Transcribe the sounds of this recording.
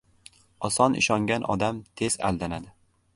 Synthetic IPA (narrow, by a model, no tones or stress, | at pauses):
ɒsɒnɪ̰ʃɒŋɡʲanʔɒ̰d̪amt̪ʰe̞z̥a̰ld̪anad̪ɪ